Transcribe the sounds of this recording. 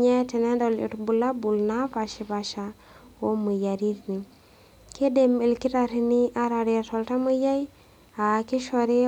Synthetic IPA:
ɲa˦te˨ne˦do˨lḭ˨ɾbu˨la˦bu˨lna˦pa˨ʃi˨pa˨ʃa˨ | wo˦mə˨ja˨ɾi˦tni˨ | ke˦demi˨lki˦ta˨ɾi˦ni˦ʔa˦ɾa˨ɾi˨tolta˦mə˦ja˦j | a˨ki˦ʃo˨ɾi˦

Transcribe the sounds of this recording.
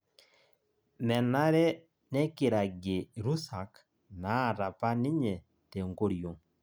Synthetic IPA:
mɛ˨na˦ɾɛ˦ | nɛ˦ki˨ɾa˨ɡe˨ɾu˦sa˨k | na˨˦˨ɾa˨pa˦ni˦ɲɛ˨ | tɛ˨ŋɡo˦ɾi˨o˨

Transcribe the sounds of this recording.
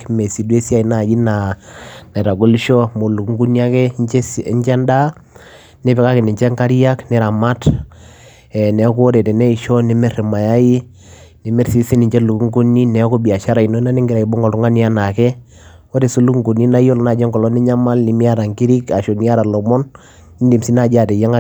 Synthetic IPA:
mɛ˨si˨dwe˦si˦a˦˨i˨na˨d͡ʒi˦na˨na˨ɾa˨ɡo˦li˦ʃɔ˦mo˨lu˨kŋɡu˦ni˦a˦kɛ˦ɛ˦ɲt͡ʃɛ˦nda˦ | nɪ˦pɛ˨ka˦kɪ˨nɪ˨ɲt͡ʃɛ˦ŋka˦ɾi˦a˦knɪ˦ɾa˨ma˦t | ɛ˨nɛ˨˦ko˦ɾɛ˨tɛ˨nɛ˦i˨ʃɔ˦nɪ˨˦mɛ˦ɾi˨ma˨ja˦i˦ | ni˨mɛ˦ɾsi˦si˦ni˨ɲt͡ʃɛ˦lu˨ku˦ŋɡu˦nːi˦nɛ˨˦ko˦bi˨a˨ʃa˦ɾa˨i˨no˦na˦ni˦ŋɡɪ˨ɾa˨i˨bo˦ŋɡɔ˨lu˦ŋa˦ni˦a˦na˨kɛ˦ | wo˦ɾe˨su˦lu˦kŋɡu˨ni˦na˦i˦ɔ˦lna˨d͡ʒɛ˦ŋɡɔ˨lɔ˦ni˦ɲa˦ma˦lni˨mi˦a˦ɾa˨ŋɡi˦ɾi˦ka˨ʃo˨ni˦a˦ɾa˨lɔ˨mɔ˦nː | i˦ndi˨msi˦na˨d͡ʒa˨tɛ˨ja˦ŋa˦

